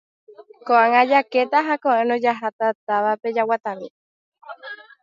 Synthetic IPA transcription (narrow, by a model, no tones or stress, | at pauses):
koʔaŋãd͡ʒake̞t̪aɦakõʔẽnõd͡ʒaɦat̪at̪aʋape̞d͡ʒawat̪ãmĩ